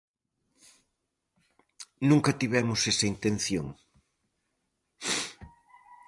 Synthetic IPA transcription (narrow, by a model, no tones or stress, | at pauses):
nũŋkɐt̪iβɛmʊsesɐint̪ẽn̟θjo̰ŋ